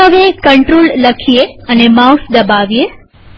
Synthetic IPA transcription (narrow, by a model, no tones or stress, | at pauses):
əʋekəɳʈɾoːlləkʰijeənemawsd̪əbaʋije